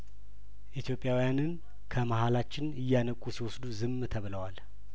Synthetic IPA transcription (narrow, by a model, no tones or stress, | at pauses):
ʔit̪jo̞pʼjawijanɨn | kʰəmahalat͡ʃːɪnɨjːanəkʼusiwɔsd̪uzɨmt̪ʰəβɨləwal